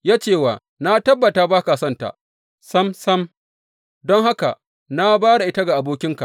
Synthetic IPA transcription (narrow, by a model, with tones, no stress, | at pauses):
jaː˦t͡ʃeː˦˨waː˨ | na˦tɐ˦bːɐ˨taː˦baː˦ka˨sɐ˦nta̰˨ʔ | sɐ˦msɐ˦m | dɔ˦ŋɦa˦ka̰˨ | na˦baː˦ɽa˨ʔɪ˦ta˦ɡa˨ʔa˨boː˦kʲɪ˦ŋka˨ʔ